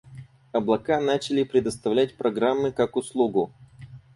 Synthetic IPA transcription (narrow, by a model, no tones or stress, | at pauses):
ɐblˠɐkanat͡ɕɪlʲɪpɾʲɪd̪əst̪ɐvlʲæt̚ʲpɾɐɡɾamːɨkakʊslˠuɡʊ